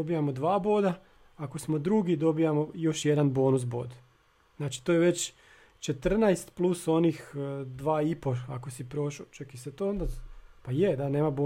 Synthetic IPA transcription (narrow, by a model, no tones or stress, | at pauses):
obijamod̪ʋaːboːd̪a | ako̞smo̞d̪ɾuɡid̪o̞bijamo̞jo̞ʃjed̪anbo̞ːnus̬bo̞ːd̪ | znaːt͡ʃi̥t̪ojeʋe̞t͡ɕ | t͡ʃet̪r̩najst̪plˠuso̞niːxd̪ʋaːipo̞ako̞sipɾo̞ːʃot͡ʃakiset̪oːond̪apajed̪ane̞ːmaboː